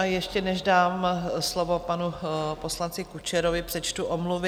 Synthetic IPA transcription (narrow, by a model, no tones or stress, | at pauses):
ajɛʃcɛnɛʒdaːmslovo̞panupo̞slant͡sɪkut͡ʃɛɾovɪpr̝̥ɛt͡ʃt̪uʔomluvɪ